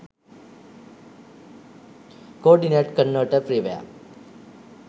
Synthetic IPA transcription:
koːɾɖineʈkənːəʈəɾpɾiʋəja̰

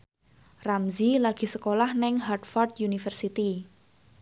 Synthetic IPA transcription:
ramzilaɡ̥i̤səkolahnɪŋɦart̪fɔrd̪junifərsit̪i

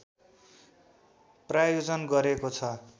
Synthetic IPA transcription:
prajod͡zʌnɡʌɾekot͡sʰʌ

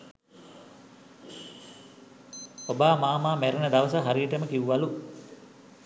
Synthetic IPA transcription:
obaːmaːmaːmæɾənəd̪aʋəsəɦaɾijəʈəməkiʋuʋalu

